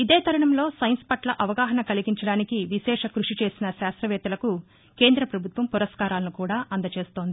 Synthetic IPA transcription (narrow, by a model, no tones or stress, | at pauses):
id̪eːt̪ʰɐɾɐɳɐmlo̞ːsɐjnspɐʈlɐʔɐʋɐɡaːɦɐnɐkɐliɡiɲt͡ʃɐɽaːnikiʋiʃɛːʂɐkɾuʂit͡ʃe̞ːsinɐʃaːst̪ɾɐʋɛːt̪ɐlɐku | ke̞ːnd̪ɾɐpɾɐbʱut̪ʋɐmpuɾɐskaːɾaːlɐnukuːɽaːʔɐnd̪ɐt͡ʃe̞ːst̪o̞ːnd̪ii